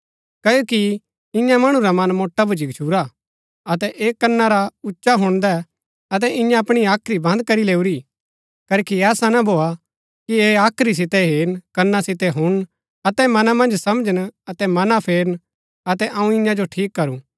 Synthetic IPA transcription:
kɐjoːki | ɪ̃jãmɐɽ̃ũɾamɐnmoːʈːabʱʊd͡ʒikt͡ʃʰuːɾa | ɐt̪ɛʔeːkɐnːaɾaʊtːʃaɦʊɽ̃d̪ɛ | ɐt̪̬ɛʔɪ̃jãɐpɽ̃iaːkʰɾibɐ̃nd̪̚kɐɾileːuɾi | kɐoːkiɛːsanabʱoːa | kieːaːkʰɾis̬ɪt̪ɛɦeːɾnkɐnːasɪt̪ɛɦʊɽ̃ | ɐt̪ɛmɐnãmɐ̃nd͡ʒsɐmd͡ʒənɐt̪ɛmɐnapʰeːɾən | ɐt̪ɛʔɐũɪ̃jãd͡ʒoʈʰiːkːɐɾũː

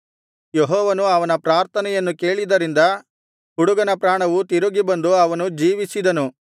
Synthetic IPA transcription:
jeɦɔːʋɐnuɐʋɐnɐpɾaːɾt̪ʰɐnɛjɐnːuke̞ːɭid̪ɐɾind̪ɐ | huɽuɡɐnɐpɾaːɳɐʋut̪iɾuɡibɐnd̪uɐʋɐnud͡ʒiːʋisid̪ɐnu

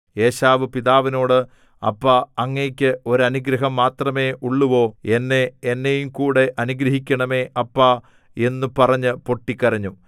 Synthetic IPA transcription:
e̞ːɕaːʋɨpiðaːʋino̞ːɽɨ | ɐ̰pːaɐŋːeːkʲːɨo̞ɾɐnuɡɾɐɦɐmːaːt̪rɐme̞ːʔuɭːuʋo̞ːe̞nːeːnːejumkuːɽe̞ʔɐnuɡɾɐɦikʲːɐɳɐme̞ːʔɐpːa | e̞nːupɐrɐɲːɨpo̞ʈːikʲːɐɾɐɲːu

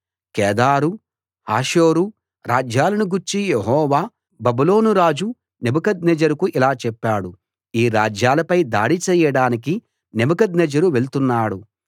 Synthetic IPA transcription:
kɛːd̪aːɾu | haːʃoːɾu | ɾaːd͡ʒjaːlɐnuɡuɾt͡ʃijeɦɔːʋaː | bɐbulo̞ːnuɾaːd͡ʒu | nebɐkɐd̪nɛd͡ʒɐɾɐkuʔilaːt͡ʃɛpːaːɽu | iːɾaːd͡ʒjaːlɐpɐjd̪a̰ːɽit͡ʃɛːjɐɽaːniki | nebɐkɐd̪nɛd͡ʒɐɾuʋelt̪unːaːɽu

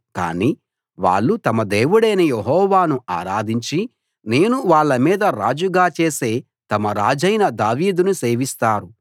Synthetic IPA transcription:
ka̰ːniː | ʋa̰ːɭːut̪ɐmɐd̪e̞ːʋuɽɐjnɐjeɦɔːʋaːnuʔaːɾaːd̪iɲt͡ʃi | ne̞ːnuʋaːɭːɐmiːd̪ɐɾaːd͡ʒuɡaːt͡ʃeːse̞ː | t̪ɐmɐɾaːd͡ʒɐjnɐd̪aːʋiːd̪unuse̞ːʋist̪aːɾu

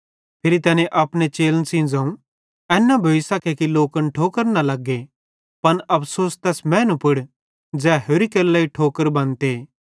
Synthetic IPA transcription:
pʰeːɾit̪ɛːnẽʔaːpnet͡ʃeːlənsĩnd͡zaːũ | ɛːnːabʱɐʋɪsakekiloːkənʈʰoːkəɾnɐlɐɡːe | pɐnɐpʰsoːst̪ɛːsmɛ̃ːnũpʊɽ | d͡ʒɛːɦoːɾikelːaiʈʰoːkəɾbɐ̃nt̪eː

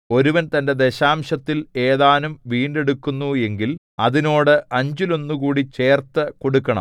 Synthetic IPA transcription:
o̞ɾuʋɐnt̪ɐnde̞d̪e̞ɕaːmɕɐt̪ːile̞ːðaːnumʋiːɳɖe̞ɽukːunːue̞ŋɡil | ɐðino̞ːɽɨʔɐɲd͡ʑilo̞nːukuːɽit͡ɕe̞ːrt̪ɐko̞ɽukːɐɳɐ̰m

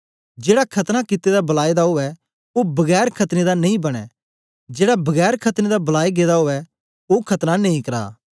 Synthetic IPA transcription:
d͡ʒeːɽakʰɐt̪nakɪt̪ːed̪abɐlaːed̪aɦoʋɛ | obɐɡɛːɾkʰɐt̪ned̪anɐ̃ĩbɐɽ̃ɛ̰ | d͡ʒeːɽabɐɡɛːɾkʰɐt̪ned̪abɐlaːiɡeːd̪aɦoʋɛ | okʰɐt̪nanɐ̃ĩkɐɾa̰ː

